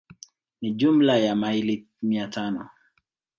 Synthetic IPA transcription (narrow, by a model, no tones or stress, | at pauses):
nid͡ʒumlajamaili | miatʰanɔ